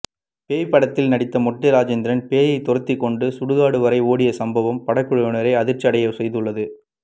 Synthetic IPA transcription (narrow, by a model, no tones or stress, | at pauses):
peːjpːɐɽɐt̪ːɪlnɐɽɪt̪ːɐmɔʈːɪɾaːd͡ʒɛnd̪ɪɾɐnpeːjɐɪt̪ɔɾɐt̪ːɪkːɔɳɖɯsʊɽɯɣaːɽɯʋɐɾɐɪoːɽɪjɐsɐmbɐʋɐmpɐɽɐkːɯɻɐjɐnɐɾɐɪɐðɪɾt͡ʃɐɽɐjɐʋsɛjðɯɭːɐðɯ